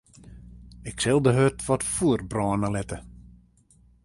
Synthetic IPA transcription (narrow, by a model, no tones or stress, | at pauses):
ɪksɛlˠdəɦøtʋɔtfuərbrɔːnəlɛtə